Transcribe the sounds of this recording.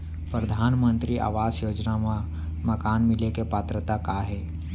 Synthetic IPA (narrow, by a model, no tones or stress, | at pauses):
pɾəd̪ʱaːnmə̃nt̪ɾiʔa̰ːʋaːzjoːd͡ʒnama | məkaːnmɪlekepaːt̪ɾət̪akaɦɛː